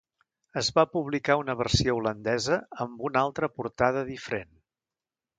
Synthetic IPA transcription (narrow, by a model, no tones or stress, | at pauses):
əzβapuβlikaunəβ̞ərsioulənd̪ɛzəːmbunalˠt̪ɾəpuɾt̪aðəðifəɾen